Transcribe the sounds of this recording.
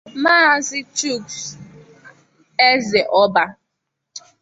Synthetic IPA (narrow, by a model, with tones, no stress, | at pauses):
ma˦a˦zɪ˦t͡ʃu˦˨ks | e˦ze˨ʔɔ˦ba˦